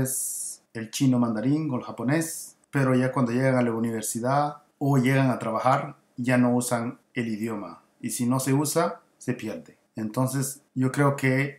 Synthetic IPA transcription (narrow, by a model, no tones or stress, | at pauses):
eselt͡ʃinomãnd̪aɾiŋoelxapone̞s | peɾo̞ʝakwand̪o̞ʝeɣaŋalauniβ̞eɾsiða | oʝe̞ɣaŋat̪ɾaβaxaɾ | ʝano̞usaŋ | eliðjo̞ma̰ | isino̞se̞usa | se̞pjeɾd̪e | ent̪o̞nse̞s | ɟ͡ʝo̞kɾe̞oke